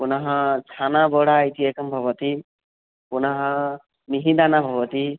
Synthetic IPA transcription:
pʊnaɦɔ̃t͡ʃʰanabɔɽait̪iekɔmbʱɔβɔt̪i | pʊnaɦɔ̃ | miɦĩd̪anabʱɔbɔt̪i

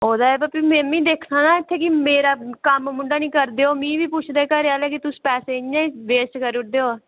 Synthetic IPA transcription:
oːd̪aːɛːbəpiːmɛ̃ːmĩːd̪eːkʰnãːnãːɪt̪ʰːeːkɪmeːɾaːkəmmʊ̃ɳɖaːnĩːkəɾd̪eːoːmĩːʋiːpʊt͡ʃʰd̪eːkəɾeaːleːkɪt̪ʊsi̥ːpɛːseːɪãːĩʋeːsʈkəɾeʊd̪eːoː

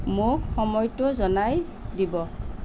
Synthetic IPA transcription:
mʊkxɔmɔjtʊzɔnaj | dibɔ

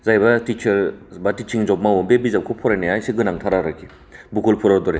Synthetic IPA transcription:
zajbɐtit͡ʃʰɐɾbatit͡ʃʰiŋzɔp̚mawɔmbebizap̚kʰupʰɔɾajneajsiɡɯnaŋtʰaɾaɾakʰi | bukulpʰɔɾadɔɾe

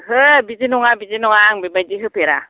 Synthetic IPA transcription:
hɯbid͡ʒinɔŋabizinɔŋaŋbebajdiɦɯpeɾa̰

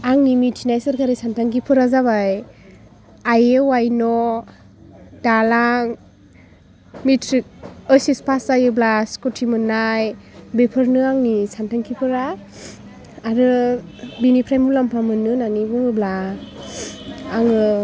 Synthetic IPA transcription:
aŋnimitʰinajsɯɾkaɾisantʰaŋkipʰɯɾazaβaj | ajewajnɔ | d̥alaŋ | mitʰɾik̚əsispʰasajɯblaskɔtʰimɯnːajbepʰɯɾnɯaŋnisantʰaŋkʰipʰɯɾa | ɾɯbinipʰɾajmulampʰamɯnɯnanibuŋɯbla | ŋɯ

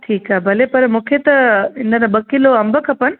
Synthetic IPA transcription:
ʈʰiːkabʱɐlepɐɾmʊkʰet̪ɐɪnd̪ɐnɐbəkːiloɐmbəkʰɐpən

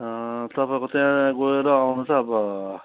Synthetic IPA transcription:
t̪ʌpãkot̪jãɡoeɾʌawnut͡sʰʌːbʌ

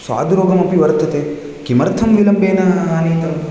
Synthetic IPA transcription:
sʋa̰ːd̪uɾoːɡɐmɐpiʋɐɾt̪ʰɐt̪eː | kimɐɾt̪ʰɐmʋilɐmbeːnɐaːniːt̪ɐm

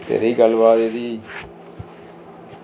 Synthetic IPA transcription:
t̪ḛːɾiːɡəlːʋaːt̪eːd̪iː

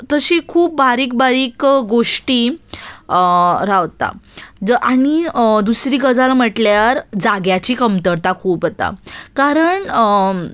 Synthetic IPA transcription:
t̪əɕikʰuːp̚baɾiːk̚baɾiːkɡoʂʈiː | ɾaʋt̪a̰ | aɽ̃id̪usɾiːkəd͡zalam̤əʈljaɾd͡zaɡjat͡ɕiːkəmt̪əɾt̪akʰuːpət̪a̰kaɾəɳ

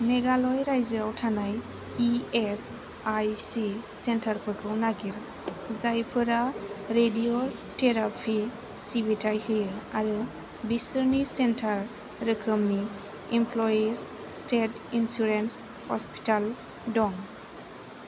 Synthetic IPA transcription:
meɡalɔjɾajzɯawtʰanaj | ies | ajsisentʰaɾpʰɯkʰɔnaɡiɾ | zajpʰɯɾaɾedio | teɾapʰi | sibitʰajhɯjɯaɾɯ | bisɯɾnisentʰaɾː | ɯkʰɯmni | impʰlɔjis | stet | insuɾens | hɔspi̥tal | dɔŋ

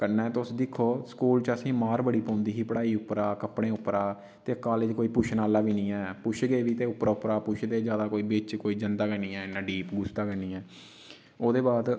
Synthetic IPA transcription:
kənãːt̪ʊsd̪ɪkʰːoːskuːlt͡ʃəsĩːmaːɾbəɽiːpɔ̃ːnd̪iːɦiːpəɽaːiːʊpɾaːkəpɽẽːʊpɾaː | t̪eːkaːled͡ʒkoːiːpʊʃʰnaːlaːʋiːnĩːɛːpʊʃʰɡəeːʋiːt̪eːʊpːɾaːʊpɾaːpʊʃʰd̪eːd͡ʒjaːd̪aːkoːiːbɪt͡ʃkoːiːd͡ʒənd̪aːkəɳiːɛːnːãːɖiːpɡʊsd̪aːkəniːɛː | oːd̪eːbaːd̪

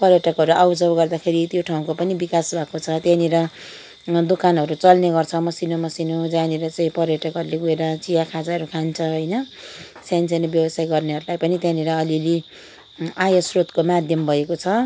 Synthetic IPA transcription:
pʌɾjʌʈʌkɦʌɾuʔawd͡zʌbɡʌrd̪akʰeɾit̪joʈʰaũkopʌnibikasbʱakot͡sʰʌt̪janeɾʌ | d̪okanɦʌɾut͡sʌlneɡʌrt͡sʰʌmʌsinomʌsinod͡zaneɾʌt͡saĩpʌrjʌʈʌkɦʌɾuleɡueɾʌt͡sijakʰad͡zaɾukʰant͡sʰʌɦʌjnʌsjansenʌbjʌwʌsajɡʌrneɦʌɾulajpʌnit̪jãniɾʌːlili | ajʌsrot̪komad̪ʱjʌmbʱʌekot͡sʰʌ

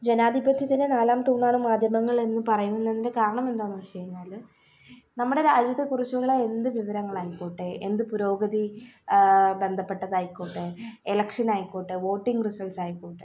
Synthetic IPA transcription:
d͡ʑe̞naːd̪ʱibɐt̪ʰjɐt̪ːinenaːlaːmt̪uːnːaːɳumːaːd̪ʱjɐmɐŋːɐɭe̞nːɨpɐrɐjumunːeðindekaːɾɐɳɐme̞nd̪oːnːuʋit͡ɕejiɲːaːl | nɐmːuɽe̞ɾaːd͡ʑjɐt̪ːekurit͡ɕːuɭːɐe̞nd̪ɨʋiʋɐɾɐŋːɐɭaːjikːoːʈːeend̪ɨpuɾo̞ːɡɐði | be̞nd̪ʱɐpːe̞ʈːɐðɐjikːoːʈːeelɐkʂɐnaːjikːoːʈːeʋo̞ːʈːiŋɡrisɐlsaːjikːoːʈːe

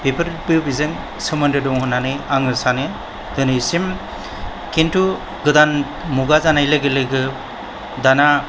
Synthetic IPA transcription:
pepʰɯɾ̚bɯbizɯŋ | sɯmɯndɯdɔŋhɔnanɯaŋɯsanɯ | dɯnɯsim | kentu | ɡɯdan | muɡazanajlɯɡɯlɯɡɯ | dana

